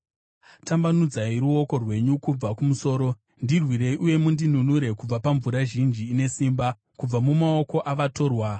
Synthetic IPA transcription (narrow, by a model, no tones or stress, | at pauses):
tambanud͡zaiɾuo̞ko̞rwe̞ɲukub͡vakumuso̞ːɾo̞ | ndirwiɾe̞ʔuje̞mundinunuɾe̞kub͡vapaɱvuɾaʒind͡ʒiːne̞siːmba | kub͡vamumao̞ko̞ʔaʋato̞ːrwa